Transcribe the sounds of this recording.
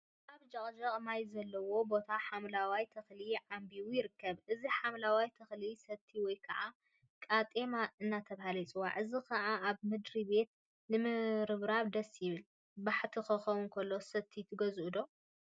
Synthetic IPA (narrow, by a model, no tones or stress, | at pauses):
ʔaβd͡ʒɐχʼd͡ʒɐχʼmajzɐlːɐwo̞bo̞t̪ʰaħamlawajt̪ʰɐxliʕambiwujɪɾɨkːɐβʔɨziħamlawajt̪ʰɐxlisɐt̪ʰːiwɔjkʰɐʕa | kʼat̪ʼemaɨnːat̪ʰɐβahalit͡sʼɨwa̰ʕɨzikʰɐʕaːβmɨd̪ɾibe̞t̪̚ | nɨmɨɾɨβɾaβd̪ɐsːjɪβɨl | baħt̪ʰikɨxɐwʊnkʰɐlːo̞sɐt̪ʰit̪ʰɨɡɐzʔud̪o̞